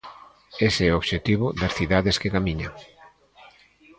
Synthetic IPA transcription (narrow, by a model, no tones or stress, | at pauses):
eseɛoβʃet̪iβ̞ʊðɐsθiðaðeskekamiɲaŋ